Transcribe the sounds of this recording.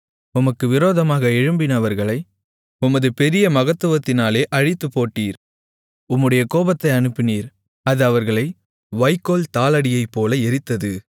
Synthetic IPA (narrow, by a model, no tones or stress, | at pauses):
ʊmɐkːɯʋɪɾoːðɐmaːɣɐɛɻɯmbɪnɐʋɐɾɣɐɭɐɪ | ʊmɐðɯpɛɾɪjɐmɐɣɐt̪ːɯʋɐt̪ːɪnaːleːʔɐɻɪt̪ːɯpːoːʈːiːɾ | ʊmːɯɽɐjɐkoːbɐt̪ːɐɪɐnɯpːɪniːɾ | ɐðɯɐʋɐɾɣɐɭɐɪ | ʋɐɪkːoːlt̪aːlɐɽɪjɐɪpːoːlɐɛɾɪt̪ːɐðɯ